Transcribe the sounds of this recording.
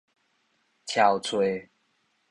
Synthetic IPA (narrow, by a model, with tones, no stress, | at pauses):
t͡ɕʰja˨˩ʊt͡sʰwe˨˦